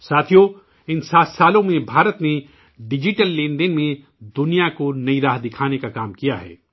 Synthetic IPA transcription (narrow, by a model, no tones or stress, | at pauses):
saːt̪ʰijo | ɪnsaːt̪ʰsaːlõmẽbʱaːɾət̪ne | ɖɪd͡ʒɪʈəlːẽːɳɖɪnmẽ | d̪ʊnijakonɐiɾaːɦd̪ɪkʰaːnekakaːmkijaɦɛ̰ː